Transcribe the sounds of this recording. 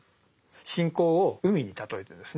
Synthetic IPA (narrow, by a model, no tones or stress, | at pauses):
ɕĩŋko̞ːoɯ̟mʲiɲ̟it̪at̪o̞et̪ẽnd̪esɨ